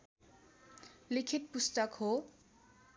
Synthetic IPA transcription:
likʰit̪̚pust̪ʌkɦo

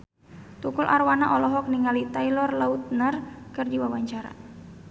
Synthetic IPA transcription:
t̪ukʊlʔarwanaʔɔlɔɦɔk̚niŋalit̪ailɔrlaut̪̚narkɨrd͡ʒiwawaɲt͡ʃaɾa̰

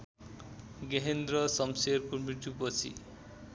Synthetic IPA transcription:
ɡeɦend̪rʌsʌmserkumiʈupʌt͡sʰḭ

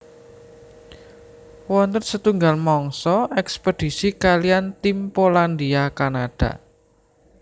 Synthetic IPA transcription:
wɔnt̪ərsət̪uŋɡalmɔŋsɔʔɛkspəd̪̥i̤sikalijant̪impoland̪iakanad̥a̤̰

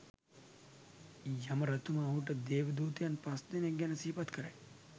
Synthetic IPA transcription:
jɐmɐɾɐt̪ʰumaːɦuʈɐd̪eːʋɐd̪uːt̪ijanpɐsd̪ineɡjɐnɐsiːpɐt̪kɐɾe

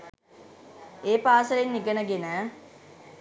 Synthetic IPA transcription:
eːpaːsəlenːiɡənəɡenəː

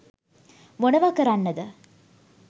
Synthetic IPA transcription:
monɐʋaːkɐɾanːɐd̪ɨ

